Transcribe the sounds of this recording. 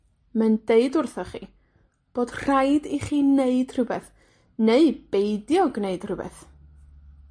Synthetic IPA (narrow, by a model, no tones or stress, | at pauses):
mandeɨdʊrθɔχḭ | b̥oːd̥r̥ajdiχiːneɨd̥r̥ɨbɛθ | neɨb̥eɨdjɔɡneɨd̥r̥ɨbɛ̰θ